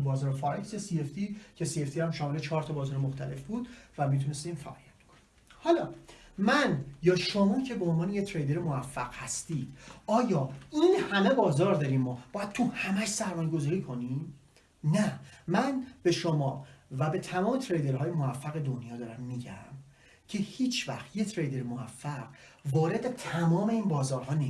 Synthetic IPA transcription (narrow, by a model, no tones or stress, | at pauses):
bɒːzɒːɾfɒɾeksesieft̪icʰe̞sieft̪ihæmʃɒːmelet͡ʃʰɒːɾt̪ʰɒbɒːzɒːɾemoxt̪ʰæle̞fbuːd̪̥væmit̪ʰune̞st̪iːmfæ̰ʔɒ̰ːlḭjæt̪̚b̥kʰo̥ni̥ | hɒlɒːmænjɒːʃomɒːcʰebeonvɒːnejet̪ʰɾejd̪e̞ɾemovæfːæɡ̥hæst̪iːd̪̥ɒːjɒːinhæme̞bɒːzɒːɾd̪ɒːɾiːmmɒːb̥ɒːjæd̪̚t̪ʰuhæmæʃsæɾmɒːje̞ɡo̞zɒːɾiːkʰo̞nim | næmænb̥e̞ʃomɒːvæbe̞t̪ʰæmɒːme̞t̪ʰɾejd̪e̞ɾɦɒːjemovæfːæɣe̞d̪onjɒːd̪ɒːɾæmːiːɟæ̰m | cʰe̞hiːt͡ʃʰvæ̰xt̪jet̪ʰɾejd̪e̞ɾmovæfːæɢ̥ | vɒːɾe̞d̪et̪ʰæmɒːme̞iːnbɒːzɒːɾɦɒːne